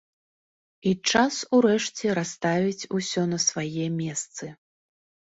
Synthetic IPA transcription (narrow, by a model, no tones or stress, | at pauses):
it͡ʂasuɾɛʂt͡sʲɛɾast̪avʲit͡sʲusʲɔnɐsvajɛmʲɛst̪sɨ